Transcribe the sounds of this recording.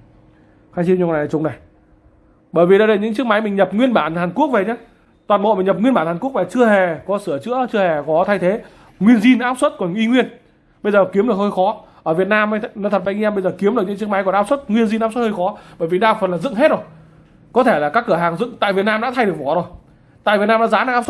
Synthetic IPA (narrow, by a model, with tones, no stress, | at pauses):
xaː˨˦t͡ɕi˧ɲu˧˨˩aː˨˩t͡ɕʊ˨˦ŋ͡mna˨˩j | ɓəː˧˩jvi˨˩ɗa˨˦ɗə˧˩ɲɨ̰˧˥ŋt͡ɕɨ˦˥ək̚ma˨˦jmï˨˩ŋ̟ɲə˨˩p̚ŋwi˧ənɓaː˧˩nhaː˨˩nku˦˥ək̚ve˨˩ɲaː˨˦ | t̪waː˨˩nɓo̰˧˨mï˨˩ŋɲə˨˩p̚ŋwi˧nɓaː˧˩nhaː˨˩nku˦˥k̚maː˨˩t͡ɕɨ˧əhe˨˩kɔ˨˦sɨ˧˩ət͡ɕɨ̰˧˥ət͡ɕɨ˧əhe˨˩xɔ˨˦t̪ʰa˧jt̪ʰe˨˦ | ŋwi˧ənzi˧nʔaː˦˥p̚swə˦˥t̚kɔ˨˩nwʔi˧ŋwi˧ən | ɓə˧jzəː˨˩ki˨˦əmɗɨ˨˩ək̚həː˧jxɔ˨˦ʔəː˧˩vi˨˩t̚naː˧m˧nɔ˨˧˦t̪̚ʰva˨˩ŋi˧mə˧jzəː˨˩ki˨˦əmɗkɲɨ̰˧˥t͡ɕɨ˦˥kma˨˦jkɔ˨˩ʔaː˦˥p̚swə˦˥t̚ŋwi˧ənzi˧nʔaː˦˥swə˥hə˧jxɔ˨˦ɓəː˧˩jvi˨˩ɗaː˧fə˨˩nlaː˨˩zɨ̰˧˨ŋɦe˦˥t̚zo˨˩j | kɔ˨˦t̪ʰe˧˩laː˨˩kaː˦˥kːɨ˧˩əɦaː˨˩ŋzɨ̰˧˨ŋt̪a̰ː˧˨vi˨˩ət̚naː˧mɗa̰ː˧˥t̪ʰa˧jɨ˨˩ək̚vɔ˨˩zo˨˩j | t̪a̰ː˧˨vi˨˩t̚naː˧ɗa̰ː˧˥zaː˨˦naː˧˦ʔaː˦˥s